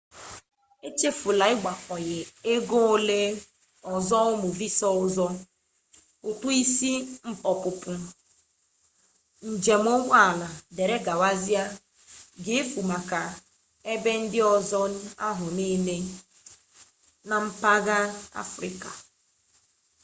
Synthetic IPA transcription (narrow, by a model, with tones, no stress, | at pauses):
e˦t͡ʃe˦fu˨la˨˦ɪ˦ɡ͡ba˨kɔ˨ɣɪ˨e˦ɡo˦o˦le˦ | ɔ˨zɔ˦ʊ˦mʊ˨vi˦sɔ˦ʊ˦zɔ˦ | ʊ˨tu˦i˦si˦m̩˦pɔ˨pʊ˨pʊ˨ | n̩˨d͡ʒe˨m˦o˦ŋʷa˦a˨la˨de˨ɾe˦ɡa˨wa˦zi˦a˦ | ɡe˨e˦fu˨ma˨ka˨ | e˦be˦n̩˦dɪ˦ɔ˨zɔ˦a˦ɦʊ˨niː˦le˦ | na˨m̩˦pa˦ɣa˦a̰˦fɾɪ̰˨ka˨